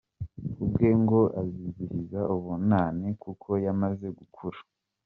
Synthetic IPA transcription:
ubɡe̞ŋɡo̞ʔaziziɾizaʔuβunaːnekʰukʰo̞jamaze̞ɡukʰuɾa

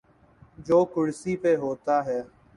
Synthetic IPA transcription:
d͡ʒoːkʊɽsiːpeːɦoːt̪aːɦɛː

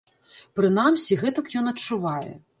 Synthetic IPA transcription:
pɾɨn̪amsʲiɣɛt̪ɐkjɔnɐtt͡ʂːuvajɛ̰

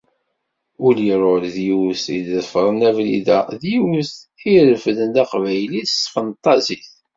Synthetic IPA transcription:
ʊləɾˤolðjuwθilðfɾˤənævlḭðæ̰ðjiwθ | iɾfəðənd̪æqvæjliθsfənt̪ˤːɑziθ

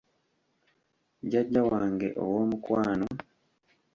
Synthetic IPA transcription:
ɟaɟːawaːŋɡe̞ʔo̰wo̞ːmukwaːno

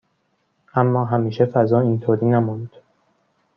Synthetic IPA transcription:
ʔæmːɒːɦæmiːʃefæzɒːint̪ʰoːɾiːnæmund̪̥

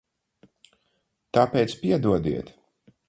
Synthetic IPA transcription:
t̪apɛːt̪spʲiɛd̪uɔd̪ḭɛt̪

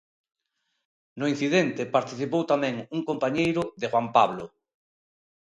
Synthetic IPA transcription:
nʊin̟θiðent̪ɪpaɾt̪iθipowt̪amɛ̃ŋuŋkompaɲejɾʊðɪxwampaβlʊ

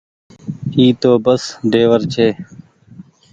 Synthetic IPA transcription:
iːt̪oːbəsɖeːʋəɾt͡ʃʰeː

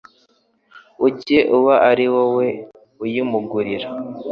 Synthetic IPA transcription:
uceʔuβaʔaɾiwowe̞ | ujimuɡuɾiɾa

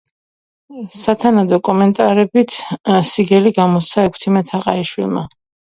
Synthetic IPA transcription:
sat̪ʰanad̪ɔkʼɔmɛnt̪ʼaɾɛbit̪ʰsiɡɛliɡamɔsaɛkʰt̪ʰimɛt̪ʰaqʼa̰iʃwilˠma̰

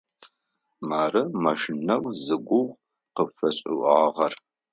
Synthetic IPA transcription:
maːrɐmɐʃɪnɐwzɨɡʷʊʁʷ | qəfɐɕʼɪʔaːʁɐr

